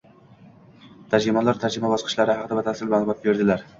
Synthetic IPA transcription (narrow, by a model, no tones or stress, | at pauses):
t̪ʰad͡ʒɾɪmalaɾt̪ʰad͡ʒɪmabɒsqʰɨ̥ʃlaɾɪhaɑqʰɨd̪abat̪ʰasɪlmabat̪̚beɾd̪ɪlaɾ